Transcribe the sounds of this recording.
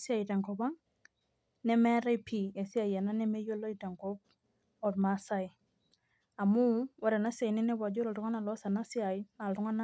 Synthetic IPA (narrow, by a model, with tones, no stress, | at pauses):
sɪ˦a˨i˨ta˨ŋkɔ˨ba˦ŋ | nɛ˦mɛ˦ɾa˦jpʰi˨e˨si˦a˨je˨na˦nɛ˦me˦jo˦lo˦i˨te˨ŋkɔ˦p̚ | ɔ˨tmasa˦i˨ | a˨mʊ˦wa˨ɾe˨na˦sa˨nɪ˦nɛ˦ba˨d͡ʒo˦ɾɔ˨tʊ˨ŋa˦na˨lɔ˦sa˨na˦sɪ˦a˨ɪna˨ltʊ˦ŋa˦na˦